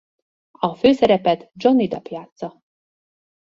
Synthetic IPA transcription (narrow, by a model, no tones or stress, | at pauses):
ɒføːsɛɾɛpɛt̪d͡ʒo̞nːid̪ɒpjaːt̪sɒ